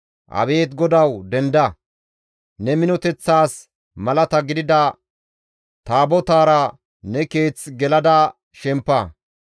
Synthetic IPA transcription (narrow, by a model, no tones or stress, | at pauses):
ʔɐ̰βe̞ːt̪ɡɔd̪ɐwd̪ɛnd̪ɐ | nɛmɪnɔt̪ɛt͡sːaːs | mɐlɐt̪ɐɡɪd̪ɪd̪ɐ | t̪aːbɔt̪aːɾɐ | nɛke̞ːt͡sːɡɛlɐd̪ɐ | ʃɛmpːɐ